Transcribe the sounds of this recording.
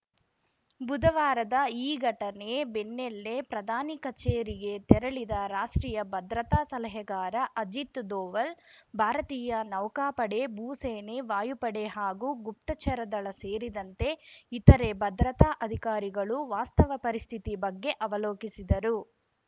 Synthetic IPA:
bud̪ɐʋaːɾɐd̪ɐiːɡʱɐʈɐne̞benːelːe̞pɾɐd̪ʱaːnikɐt͡ʃeːɾiɡe̞t̪ɛɾɐɭid̪ɐɾaːʂʈɾiːjɐbɐd̪ɾɐt̪aːsɐlɐɦɐɡaːɾɐʔɐd͡ʒit̪d̪oːʋɐlbʱaːɾɐt̪iːjɐnɐʋkaːpɐɽe̞buːseːneʋaːjupɐɽeɦaːɡuːɡup̚t̪ɐt͡ʃʰɐɾɐd̪ɐɭɐseːɾid̪ɐnt̪e̞it̪ɐɾebɐd̪ɾɐt̪aːʔɐd̪ʱikaːɾiɡɐɭuʋaːst̪ɐʋɐpɐɾist̪ʰit̪ibɐɡːe̞ʔɐʋɐloːkisid̪ɐɾu

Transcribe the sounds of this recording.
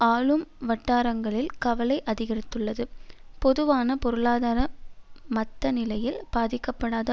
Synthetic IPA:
aːlɯmʋɐʈːaːɾɐŋɡɐɭɪlkɐʋɐlɐɪʔɐðɪɣɐrɪt̪ːɯɭːɐðɯpɔðɯʋaːnɐpɔɾɯɭaːðaːɾɐmɐt̪ːɐnɪlɐjɪlb̥aːðɪkːɐpːɐɽaːðɐ

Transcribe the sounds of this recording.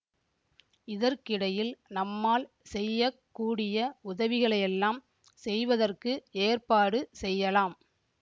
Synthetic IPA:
ɪðɐɾkɪɽɐjɪlnɐmːaːl | sɛjːɐkːuːɽɪjɐʊðɐʋɪɣɐɭɐjɛlːaːm | sɛjʋɐðɐrkɯeːrpaːɽɯsɛjːɐlaːm

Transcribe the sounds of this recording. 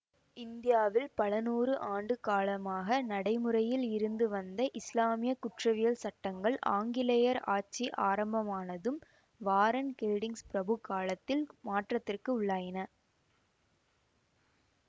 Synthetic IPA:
ɪnd̪ɪjaːʋɪlpɐlɐnuːrɯʔaːɳɖɯkaːlɐmaːɣɐnɐɽɐɪmɯɾɐjɪlɪɾɯnd̪ɯʋɐnd̪ɐʔɪslaːmɪjɐkʊʈrɐʋɪjɐlsɐʈːɐŋɡɐɭʔa̰ːŋɡɪlɐjɐɾa̰ːʈ̚t͡ʃiʔaːɾɐmbɐmaːnɐðɯm | ʋaːɾɐnkɛlɖɪŋspɪɾɐbɯkːaːɭɐt̪ːɪlmaːʈrɐt̪ːɪrkɯʊɭːaːjɐnɐ

